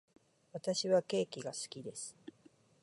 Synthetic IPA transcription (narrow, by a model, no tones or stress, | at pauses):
βat̪aɕiβake̞ːkʲiɡasɨ̥kʲid̪e̞sɨ̥